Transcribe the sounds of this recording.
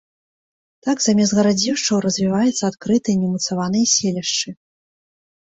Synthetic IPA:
t̪aɡzamʲɛzɣɐɾad͡zʲiwʂt͡ʂɐwɾɐzʲvʲivajɛt̪sːɐat̪kɾɨt̪ɨjɛnʲɛmut̪savanɨjɐsʲelʲɛʂt͡ʂɨ

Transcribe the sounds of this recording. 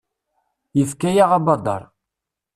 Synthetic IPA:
jəfkæjaʁabɑd̪ˤɑ̰ɾˤ

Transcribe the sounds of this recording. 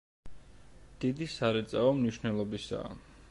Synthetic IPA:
d̪̥id̪isaɾɛt̪sʼaɔmniʃnɛlˠɔbisa̰ː

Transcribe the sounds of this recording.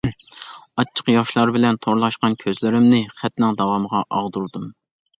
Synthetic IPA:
ɑt͡ʃʰːə̥qjɑʃlˠɑɾbɪlɛnt̪ʰoɾlˠɑʃqɑnkʲʰøzlɪɾɪmnɪχɛt̪nɪŋd̪ɑwɑməʁɑʔɑʁd̪uɾd̪um

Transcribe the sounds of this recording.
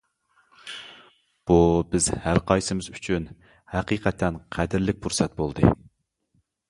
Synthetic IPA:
b̥ubɪzhælqʰɑjsɨmɪzyt͡ʃʰyn | hæqiqʰɛt̪ʰːɛnqʰæd̪ɪɾlɪk̚ʲbʰuɾsɛt̪̚bolˠd̪ɨ̰

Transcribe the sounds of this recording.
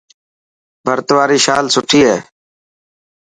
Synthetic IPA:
bʱəɾt̪ʋaːɾiːʃaːlsʊʈʰiːɦeː

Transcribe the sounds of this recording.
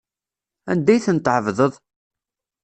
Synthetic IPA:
æ̰nd̪æjθənt̪ːʕəvðəðˤ

